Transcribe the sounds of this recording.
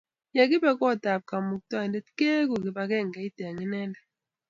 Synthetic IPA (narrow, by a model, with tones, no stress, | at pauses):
ja˨k̬i˦ɓɛ˦˨k̬ɔ˦˨da˨p̚ka˨mu˨k̚ta˦˨ndɛ˦tke˦k̬u˨k̬i˨ɓa˨k̬ɛ˦˨ŋɡɛ˨i˦d̥ɛ˨a˨ŋi˦nɛ˦lɛ˨